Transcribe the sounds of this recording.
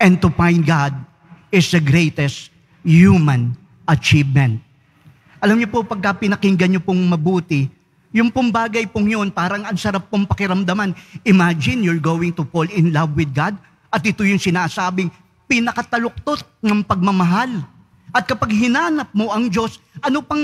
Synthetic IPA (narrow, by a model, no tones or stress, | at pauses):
ʔɛ̃n̚t̪ufajnd̪̚ɡad̪̚ | ɪsd̪ɐɡɾejt̪ɛst̪ | jumɐ̃n | ʔɐt͡ʃivmɛ̃nt̪̚ | ʔɐlamɲopopɐɡ̚kɐpɪnɐkɪŋɡɐnjopoŋmɐbuːt̪ɪ | jʊŋpʊŋbaːɡɐjpʊŋjo̞npaːɾɐŋɐŋsɐɾapːoŋpɐkɪɾɐmd̪ɐmanɪmad͡ʒɪ̃njʊɹɡowɪŋt̪ʊpolɪnlɐvwɪd̪̚ɡad̪ | ʔɐt̪̚ʔɪt̪ojʊŋsɪnaːsaːbɪŋ | pɪnɐkɐt̪ɐlʊk̚t̪ot̪̚nɐŋpɐɡ̚mɐmɐɦal | ʔɐt̪̚kɐpaɡ̚hɪnaːnɐp̚mo̞ʔɐŋd͡ʒo̞sʔɐnopɐŋ